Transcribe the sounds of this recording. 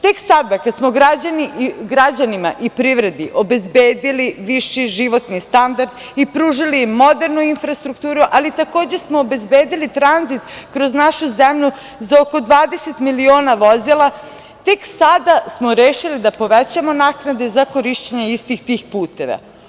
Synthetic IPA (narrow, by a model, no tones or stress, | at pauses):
t̪e̞ksad̪akad̪smo̞ɡɾad͡ʑaniiɡɾad͡ʑanima̰ʔipɾiʋɾe̞d̪iʔo̞be̞zbeːd̪iliʋiʃiʒiʋo̞t̪nist̪and̪aɾd̪ | ipɾuːʒilimo̞d̪e̞ɾnuinfɾast̪ɾukt̪uːɾuʔalit̪ako̞ːd͡ʑesmoobe̞zbeːd̪ilit̪ɾanzit̪kɾo̞znaʃuzemʎu | zaoko̞d̪ʋaːd̪e̞set̪milio̞ːnaʋo̞zilˠa | t̪e̞ksad̪asmoɾeːʃilid̪apo̞ʋet͡ɕamo̞naknad̪e̞zako̞ɾiʃt͡ɕeɲeist̪ixt̪ixpuːt̪e̞ʋa̰